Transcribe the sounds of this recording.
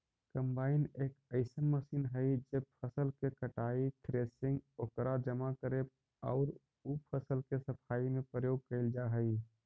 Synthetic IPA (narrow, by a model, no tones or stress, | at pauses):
kə̃mbaːɪneːkəɪsənməsiːnɦəid͡ʒeb̚pʰəsəlkekəʈaːit̪ʰɾeːsɪ̃ŋɡokɾad͡ʒəmakəɾe | ɔ̰ːɾ | upʰəsəlkesəpʰaːimẽpɾəjoːɡ̚kəɪld͡ʒaɦəi